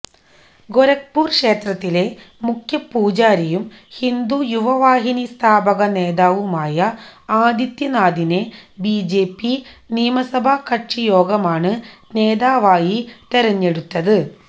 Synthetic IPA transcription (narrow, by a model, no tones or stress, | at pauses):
ɡoɾɐk̚puːrkʂe̞ːt̪rɐt̪ːile̞ | mukʰjɐpːuːd͡ʑaːɾɐjum | hind̪ujuʋɐʋaːɦinist̪ʰaːbɐɣɐne̞ːd̪aːʋumaːjɐaːd̪jɐt̪jɐnaːd̪inebiːd͡ʑeːpːiniːmɐsɐbʱakɐʈʂijo̞ːɡɐmaːɳɨne̞ːðaːʋaːjit̪eɾɐɲːe̞ɽut̪ːɐðɨ